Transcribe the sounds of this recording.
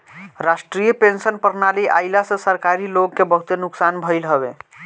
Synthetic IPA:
ɾasʈɾijəpensənpəɾnaliʔaɪlasə̃səɾkaɾiloɡkːebəɦut̪enuksanbʱəɪlɦəbḛ

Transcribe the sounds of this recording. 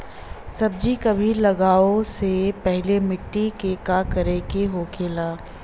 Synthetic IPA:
sɐb̚d͡ʒikɐbʱilɐɡaːosepɛɦlemɪʈːikekakɐɾekeɦoːkʰeːlaː

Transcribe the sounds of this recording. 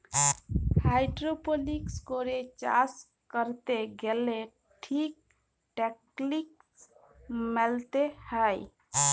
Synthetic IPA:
hajɖɾopolikskoɾet͡ʃa̰s | kəɾt̪eɡele | ʈʰik̚ | ʈek | liks | mɛlt̪ehəj

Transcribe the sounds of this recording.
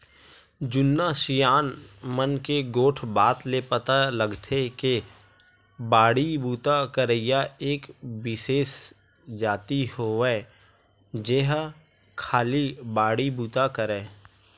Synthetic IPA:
d͡ʒʊnːaʃijaːnmənkeɡoːʈʰbaːt̪lepət̪aləɡt̪ʰeke | baːɽibuːt̪akəɾəɪjaeːkwɪseːs | d͡ʒaːt̪ihoɛː | d͡ʒeɦ | kʰaːlibaːɽibuːt̪akəɾɛː

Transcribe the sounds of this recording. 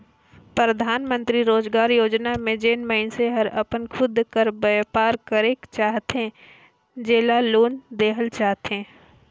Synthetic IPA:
pɾəd̪ʱaːnmə̃nt̪ɾiɾoːd͡ʒɡaːɾjoːd͡ʒnamẽd͡ʒeːnməɦɪnseɦəɾɐpənkʰʊd̪kəɾbəjpaːɾkəɾeːkt͡ʃaːɦt̪ɦẽ | d͡ʒeːlaloːnd̪eːɦəlt͡ʃaːɦt̪ɦẽː

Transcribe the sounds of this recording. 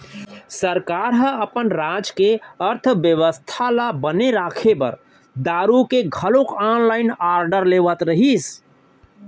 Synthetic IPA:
səɾkaːɾɦəəpənɾad͡ʒkeəɾt̪ʰʋjəʋəst̪ʰalabəneɾaːkʰebə̰ɾ | d̪aːɾukeɡʱəlõkanlaːɪnaːɾɖəɾleːʋət̪ɾəɦis

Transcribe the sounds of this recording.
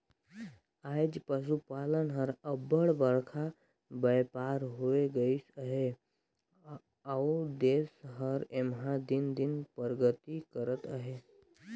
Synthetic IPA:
ajd͡ʒpəʃ̬upalənɦəɾəbəɽbəɽkʰa | bəjpaɾɦoeɡəisəɦe | awd̪esɦəɾemɦad̪ind̪inpəɾɡət̪ikəɾət̪əɦe

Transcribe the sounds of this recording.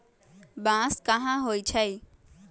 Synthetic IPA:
bãskəɦãɦoːit͡ʃʰəj

